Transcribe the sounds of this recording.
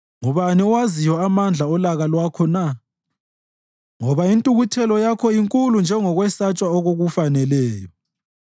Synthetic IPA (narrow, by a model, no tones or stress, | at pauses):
ŋɔβaniɔwazijɔamand͡ɮʱaɔlaɣalwakʰɔna | ŋɔβaintʼuɣutʰɛlɔjakʰɔiŋkʼulund͡ʒʱɛŋɔɣwɛsat͡ʃʼwaoɣoɣufanɛlɛːjɔ